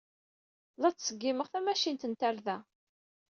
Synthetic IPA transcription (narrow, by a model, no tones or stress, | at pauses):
lɑt͡sːsəɡːiməʁθæmæʃint̪ənt̪æɾðæ